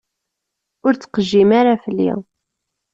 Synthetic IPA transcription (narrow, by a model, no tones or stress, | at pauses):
ʊɾt͡sːqəʒːimaɾafəlːḭ